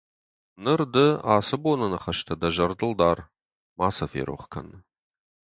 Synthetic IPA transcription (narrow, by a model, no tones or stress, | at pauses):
nɨrdɨaːsɨbonɐnɨχɐʃtʰɐd̪ɐʒɐrdɨld̪aːr | maːsɐfḛɾʔo̰χkʰɐ̰n